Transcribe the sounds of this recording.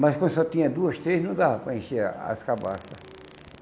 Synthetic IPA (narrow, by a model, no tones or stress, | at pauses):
mɐskɐ̃d̪ʊsɔt̪ĩɲɐd̪uɐst̪ɾeznɐ̃w̃d̪avɐpɾɐẽʃeɾ̰a̰skaba̰sɐ